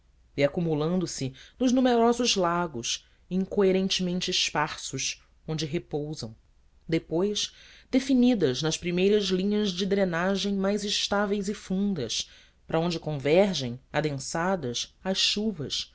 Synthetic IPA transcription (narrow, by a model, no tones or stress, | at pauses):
iakumulɐ̃nd̪ʊsɪnʊʒnumeɾɔzʊzlaɡʊs | ĩŋkoeɾẽnt͡ʃɪmẽnt͡ʃɪːʃpaɾsʊʃ | õnd͡ʒɪɦepowzɐ̰̃w̃ | d̪epojʃd̪efinid̪ɐznɐʃpɾimejɾɐzlĩɲɐzd͡ʒɪd̪ɾenaʒẽj̃majzɪʃt̪avejzɪfũnd̪ɐs | pɾʔɐõnd͡ʒɪkõvɛɾʒẽj̃ad̪ẽsad̪ɐsɐʃʃuvɐs